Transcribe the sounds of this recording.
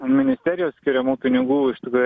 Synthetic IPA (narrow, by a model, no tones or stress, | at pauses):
mʲɪnʲɪsʲt̪ʲæːɾʲɪjoːssʲkʲɪɾʲɛmuːpʲɪnʲɪɡuːɪʃt̪ʲɪkɾuːj